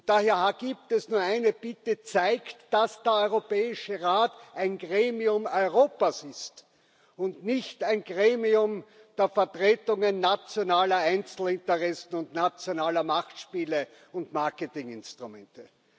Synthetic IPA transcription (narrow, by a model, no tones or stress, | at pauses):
d̥aːheːɐaɡ̥iːptɛsnuːɐæɪnəb̥ɪtət͡sæɪktd̥asd̥eːɐɔʏʁopɛːɪʃəʁaːtʔæɪnɡʁeːmiʊmɔʏʁoːpasɪst | ʊntnɪçtæɪnɡʁeːmiʊm | d̥eːɐfɛɐtʁeːtʊŋənːat͡sjonaːlɐæɪnt͡sl̩ɪntəʁɛsn̩ʊntnat͡sjonaːlɐmaχtʃpiːlə | ʊntmaɐkətɪŋɪ̰nstʁ̥ʊmɛ̰̃ntə